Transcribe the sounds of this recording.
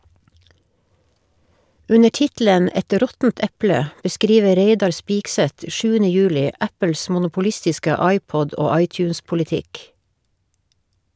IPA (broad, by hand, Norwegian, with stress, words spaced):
ˈʉnə ˈʈɪtl̩ən ˈɛt ˈɾɔtn̩t ˈɛplə bəˈskɾiːʋə ˈɾeɪdɑɾ ˈspɪksɛt ˈʃʉːənə ˈjʉːlɪ ˈæpəl̩s mʊnʊpʊˈlɪstɪskə ˈɑɪˌpɔd ˈoː ˈɑɪˌtjʉːnspʊlɪˌtɪk